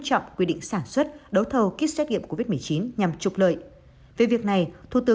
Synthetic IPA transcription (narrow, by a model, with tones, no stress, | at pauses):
t͡ɕɔ̰˧˨wŋ͡mkwi˧ɗḭ̈˧˨ŋ̟saː˧˩nswə˦˥t̚ɗə˨˦wt̪ʰə˨˩wki˦˥t̚sɛː˦˥t̚ŋḭ˧˨əmko˧˩vi˦˥t̚mɨ˨˩ət͡ɕi˨˦nɲa˨˩mt͡ɕʊ˨˩k͡p̚lə̰ː˧˨j | ve˨˩vi˨˩ək̚na˨˩jt̪ʰu˧˩t̪ɨ˨˦